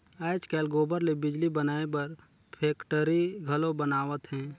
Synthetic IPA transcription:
aːɪt͡ʃkɛːlɡoːbəɾlebɪd͡ʒlibənaːepɐɾ | pʰɛːkʈəɾiɡʱɐlõbənaːʋət̪ɦɛ̃ː

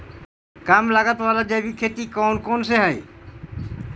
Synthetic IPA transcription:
kamlaɡat̪alad͡ʑajbikʰːet̪ikɔwnkonseɦaj

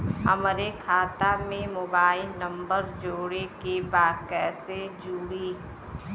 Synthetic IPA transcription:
ə̰mɾekʰaːt̪amẽmoːbaːɪlnə̃mbəɾd͡ʒoːɽekebaːd̪kɛːsed͡ʒuːɽiː

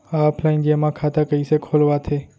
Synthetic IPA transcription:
aɔpʰlaɪnd͡ʒemãkʰat̪akəisekʰolʋat̪ʰe

